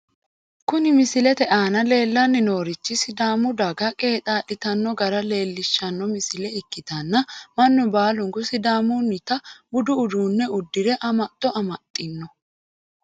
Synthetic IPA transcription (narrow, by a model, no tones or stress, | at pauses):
kʊnɪmɪsɪlɛt̪ɛʔaːnɐle̞ːlːɐnːɪno̞ːɾɪt͡ʃːɪsɪd̪aːmʊd̪ɐɡɐkʼe̞ːt̪ʼaːɗɪt̪ɐnːɔɡɐɾɐle̞ːlːɪʃːɐnːɔmɪsɪlɛɪkːɪt̪ɐnːɐmɐnːʊbaːlʊŋkʊsɪd̪aːmʊnːɪt̪ɐbʊd̪ʊːd̪uːnːɛʊd̪ːɪɾɛʔɐmɐt̪ʼːɔʔɐmɐt̪ʼːɪnːɔ